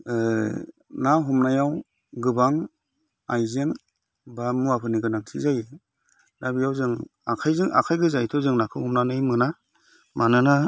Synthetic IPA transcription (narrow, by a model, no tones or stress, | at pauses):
naɦumnajaw | ɡɯbaŋ | ajzeŋ | bamuapʰɯniɡɯnaŋtʰizajɯ | nabijawzɯŋakʰajzɯŋʔa̰kʰajɡɯzajtʰɔzɯŋnakʰɯwhɔmnanɯjmɯna | manɯna